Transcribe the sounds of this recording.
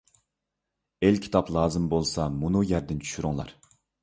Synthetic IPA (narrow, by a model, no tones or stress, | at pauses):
elʲkʲʰi̥t̪ʰɑplˠɑːzɨmbolˠsɑmunujæɾd̪ɪnt͡ʃʰy̥ʃyɾuŋlˠɑ̰ɾ